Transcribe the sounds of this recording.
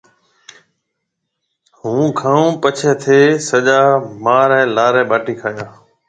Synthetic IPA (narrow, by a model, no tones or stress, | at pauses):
ɦũːkʰãːũːpət͡ʃʰɛːt̪ʰeːsəʄaːmaːɾɛ̃ːlaːɾɛ̃ːɓaːʈiːkʰaːjaː